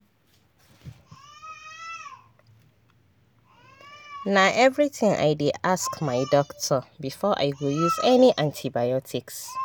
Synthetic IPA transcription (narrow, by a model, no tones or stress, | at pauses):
nãʔɛvɹitʰĩŋʔa̰ɪdeʔaskmãɪdɔktʰɔbifɔʔa̰ɪwijuzɛnĩʔãntʰibajɔtʰiks